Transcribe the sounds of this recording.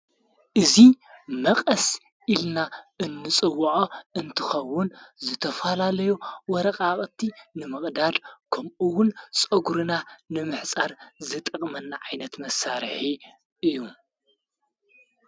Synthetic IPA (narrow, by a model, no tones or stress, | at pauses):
ʔɨzimɐqʼɐs | ʔilnaʔɨnːɨt͡sʼɨwːʕoɨnt̪ʰɨxɐwːʊnzɨt̪ʰɐfɐlalɐjuwɔɾɐqʼaχʼt̪ʰinɨmɨχʼd̪ad̪kʰɐmuwʊnt͡sʼɐɡuɾɨnanɨmɨħt͡sʼaɾzɨt̪ʼɐχʼmɐnːaʕajnɐt̪mɐsaɾħi | ʔɨjːum